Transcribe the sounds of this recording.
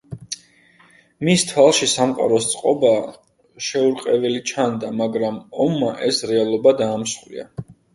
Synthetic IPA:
mist̪ʰwalˠʃisamqʼa̰ɾɔst̪sʼqʼɔba | ʃɛuɾqʼɛvɛlit͡ʃʰand̪amaɡɾamɔmːaʔɛsɾɛalˠɔbad̪aːmslḭa̰

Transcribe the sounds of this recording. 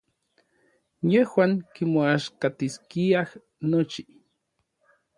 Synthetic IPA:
jehwaːŋkimoaʃkat̪iskiah | not͡ʃi

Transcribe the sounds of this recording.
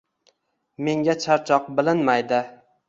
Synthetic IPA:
me̞ŋɡʲat͡ʃʰaɾt͡ʃʰɒqbɪlɪnmajd̪ɪ

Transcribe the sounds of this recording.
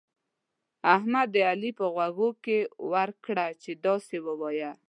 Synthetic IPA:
ahmad̪ːəalipəɣwaɣokewaɾkɽat͡ʃed̪ɑsewəwɑja

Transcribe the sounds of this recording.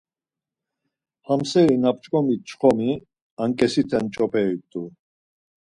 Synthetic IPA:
hamsɛɾinap̚t͡ʃʼkʼɔmit͡ʃχɔmi | aŋkʼɛsit̪ʰɛnt͡ʃʼɔpʰʼɛit̪ʼu

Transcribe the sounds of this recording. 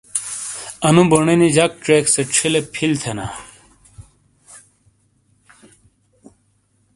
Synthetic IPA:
ɐnũboɳenid͡ʑɐk̚ʈ͡ʂekseʈ͡ʂʰilepʰilt̪ʰena̰

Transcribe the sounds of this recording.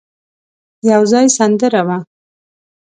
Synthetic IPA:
jawzɑjsand̪əɾawa

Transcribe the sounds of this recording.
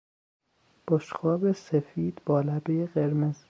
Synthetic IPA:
b̥oʃxɒːbesefiːd̪̥bɒːlæbejeɢeɾmez̥

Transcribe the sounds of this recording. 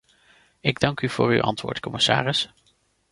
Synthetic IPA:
ɪɡdɑŋkyv̥o̰ːry̰wʔɑ̰ntʋʊ̰ːɹtkɔməsa̰ːrəs

